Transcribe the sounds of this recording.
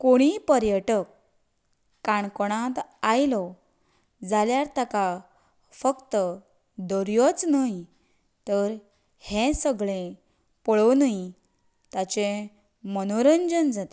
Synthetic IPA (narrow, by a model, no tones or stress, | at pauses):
koɽ̃ipəɾjəʈəkː | aɳkoɽ̃ãt̪ajlɔ | d͡zaljaɾt̪ʰəka | fəkt̪ə | d̪əɾjɔt͡snai | t̪əɾ | hẽsəɡɭẽ | pəɭɔnai | t̪at͡ɕe | mənoɾənd͡ʑənd͡zat̪e̥